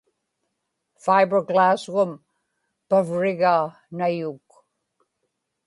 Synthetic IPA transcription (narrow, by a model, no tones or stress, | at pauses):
fajbəɹklaːsɣʊm | pavɹɪɣa | najuk